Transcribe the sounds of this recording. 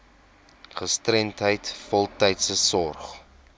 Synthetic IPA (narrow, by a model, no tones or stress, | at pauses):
χəstrɛntɦəjtfɔlˠtɛjtsəsɔrχ